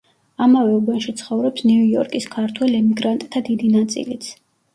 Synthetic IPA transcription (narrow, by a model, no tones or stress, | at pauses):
amavɛuɡɔnʃit̪sʰχɔvɾɔpsnuujɔɾkʼiskʰaɾt̪ʰwɛlɛmiɡɾant̪ʼt̪ʰːad̪id̪inat̪sʼḭlit̪sʰ